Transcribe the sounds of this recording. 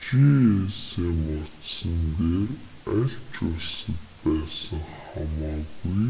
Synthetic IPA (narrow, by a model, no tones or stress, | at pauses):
t͡ɕieseːmɔt̪sə̆nd̪eːr | æɬt͡ɕʊɮsə̆t̪pæːsə̆ŋχamaːɣuj